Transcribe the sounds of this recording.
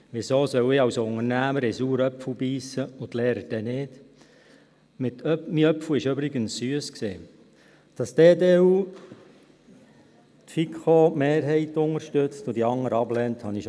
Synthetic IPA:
ʋɪsoːsœwɪɑwsʊŋəɾnæːməɾɛsuːɾœpfəbiːsəʊt̪leːɾəd̥ɛneːd | mɪtmiœpfwɪʃøbɾɪɡənsːyəsksḛː | d̥ɑsd̥eːdeːuː | t̪fikχomeːɾɦɛɪtʊŋəɾʃtøt͡stʊd̥̪iɑŋːəɾɑblɛnthɑniʃ

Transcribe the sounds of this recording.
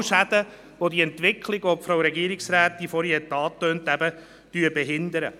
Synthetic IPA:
ʃæd̥̪ə | ʋodiɛntʋɪkʰliɡopfɾoʊwɾɛɡiːɾiksɾæːt̪ːifɔɾjɛt̪ːɑːtøːnt̪æbə | d̥yəbɛɦɪnd̪əɾə̰

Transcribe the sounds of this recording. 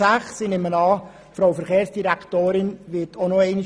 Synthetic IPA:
æχsinemənɑː | fɾowfəɾχeːɾsd̥iɾæktoːɾɪnʋɪtʰonoɛɪni

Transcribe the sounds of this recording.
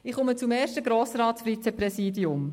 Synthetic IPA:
ɪχʊmət͡sumɛːʃtəɡɾoːsɾɑːtsfɾit͡sɛpɾɛsiːdiʊm

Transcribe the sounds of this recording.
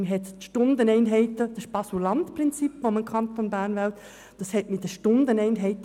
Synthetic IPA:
məɦɛt̪ʃtʊndənɛɪnɦɛɪtəd̥ɑsb̥ɑsulɑntpɾɪnt͡sipːoməkʰɑnt̪onbæːɾnvælt̪ | d̥ɑshɛtmidəʃtʊndənɛɪnɦɛɪt

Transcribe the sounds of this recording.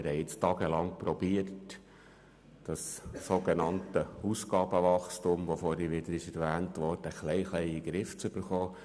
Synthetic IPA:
ɪɾhɛɪɪt͡stɑːɡ̥əlɑŋpɾɔb̥iərt | d̥ɑssoɡ̥enɑntəusɡɑːb̥əʋɑχstʊmʋofoːɾiʋɪd̥̪əɾɪʃɛɾvæːntʋɔːrd̥əχlɛɪχlɛɪiɡɾɪft͡sʏb̥əɾχoː

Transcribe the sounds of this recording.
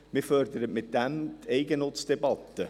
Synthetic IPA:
mɪfœrd̪əɾətmɪt̚d̥æmt̪ʰɛɪɡənʊtt͡sd̥ɛbɑt̪ːə

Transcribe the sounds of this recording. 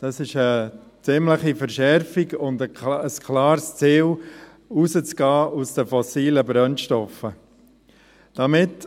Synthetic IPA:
d̥ɑsɪʃə | t͡sɪmləχifəɾʃɛɾfiɡʊndəəskʰlɑːɾst͡siːl | uzət͡sɡ̥ɑːʔusdəfɔsiːləbɾœnʃtɔfə | d̥ɑmɪt

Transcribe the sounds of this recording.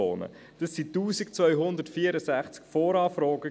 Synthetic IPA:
o̰ːnə̰ | d̥ɑsːituːsikt͡svœʏɦʊndətfiːəɾəsæχt͡skfɔːɾɑːfɾɔːɡə

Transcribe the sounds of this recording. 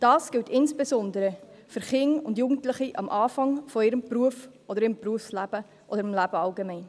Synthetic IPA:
d̥ɑːsɡ̥ɪwtʰɪnsb̥esɔndəɾə | fʏɾχɪŋʊndjuːɡn̩tləχiʔɑ̰mʔɑːfɑŋfɔɪɾəmpruəfʔɔd̪əɾɪmpruəfslæb̥ə | ʔɔ̰dəɾɪmlæb̥əɑlɡemɛɪn

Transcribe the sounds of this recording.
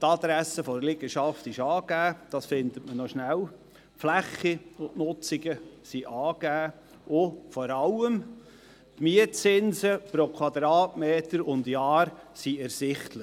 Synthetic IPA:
tɑd̪ɾæsəfɔɾlɪɡ̥əʃɑftɪʃɑːɡæːd̥ɑsfɪndətmənɔʃnæw | flæχiʊntnʊt͡sɪɡəsiʔɑːɡ̥æː | ʔʊfɔɾɑləm | tmiətt͡sɪnzəpɾokʰwɑdɾɑːtmeːtəɾʊndjɑːɾsiɛɾsɪχtlə

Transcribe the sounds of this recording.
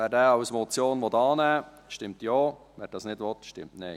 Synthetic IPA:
ʋɛːɾdɛːɑwsmɔt͡sjoːnʋɔtɑːnæː | ʃtɪmtjoː | ʋɛːɾd̥ɑːsnɪdʋɔtʃtɪmtnɛɪ

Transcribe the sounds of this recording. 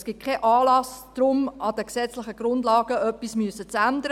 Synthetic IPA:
sɡ̥ɪt̚kʰɛʔɑːlɑsd̥ɾʊmɑd̪əksɛt͡slɪχəɡ̥ɾʊndlɑːɡ̥əœpːismyəsət͡sænd̪əɾ

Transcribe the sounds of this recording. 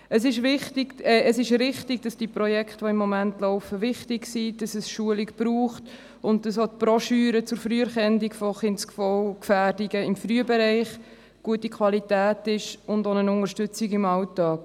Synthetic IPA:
əs̬ɪʃvɪχtɪɡ̥ɛəsɪʃɾɪχtɪɡd̥ɑsd̥iəpɾɔjɛkχtʋɔɪmːɔmæntlɔʊfəʋɪχtɪksid̥ɑsəsʃuəlikb̥ɾuːχt | ʊnt̚dɑsot̚pɾɔʃyːɾət͡sʊɾfɾyːəɾχɛndikfɔχɪnskfɔwkfæːrdiɡəɪmfɾyəbɛɾɛɪχ | ɡ̥uətikʰwɑlitæːtɪʃʊndonənʊŋəɾʃtʏt͡siɡɪmɑltɑːk

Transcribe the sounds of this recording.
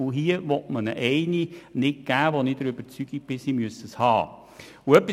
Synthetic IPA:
ʊɦiəʋɔtmənə̰ʔɛɪninɪk̚ɡ̥æːʋonidəɾøb̥əɾt͡syɡ̥ik̚b̥ɪsiːmyəsəshɑ̰ː | ʊœpːi

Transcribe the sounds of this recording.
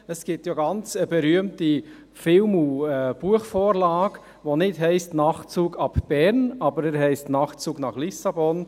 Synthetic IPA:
əsɡ̥ɪp̚tjaɡɑnt͡səbɛɾyəmti | fɪlmuɛb̥uəχfoːɾlɑːɡ̥ | ʋonɪtɦɛɪstnɑχt͡suːɡɑb̥b̥ɛɾnɑbəɾɛɾɦɛɪstnɑːχt͡suːɡnɑχlisɑbɔn

